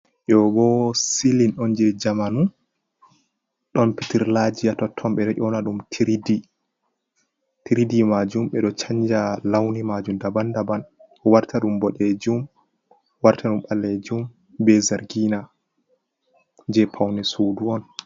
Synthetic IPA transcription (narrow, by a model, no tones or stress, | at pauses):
ʔɔbɔsilinɗɔnd͡ʒɛd͡ʒamanu | ɗɔnpitiɾlad͡ʒijatɔtʰːɔmɓɛɗɔʔʲɔnaɗumtʰiɾidi | tiɾidimad͡ʒumɓɛɗɔt͡ʃaɲd͡ʒalawnimad͡ʒumdabandaban | ɔwaɾtʰaɗumbɔɗɛd͡ʒum | waɾtʰaɗumɓalːed͡ʒum | bɛzaɾɡina | d͡ʒɛpʰawnɛsuːduɔn